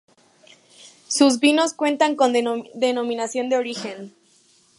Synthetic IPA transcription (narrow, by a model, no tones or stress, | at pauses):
suzβino̞skwe̞nt̪aŋko̞nd̪e̞no̞mĩnasjo̞nd̪eo̞ɾixe̞n